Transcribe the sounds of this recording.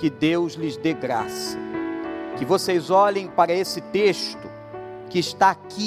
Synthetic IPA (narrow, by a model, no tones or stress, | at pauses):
kɪd̪ewzlɪzd̪eɡɾa̰sɐ̥ | kɪvosejzɔlẽj̃paɾɐesɪt̪eʃt̪ʊ | kɪːʃt̪aːki